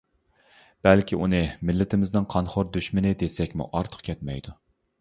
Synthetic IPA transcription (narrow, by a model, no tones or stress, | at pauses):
b̥ɛlkʲiʔunɨmɪlːɪt̪ʰɪmɪznɪnqʰɑnχoɾd̪yʃmɪnɪd̪esɛkʲmṵʔɑɾt̪ʰə̥qkʲʰɛt̪̚mɛ̰jd̪u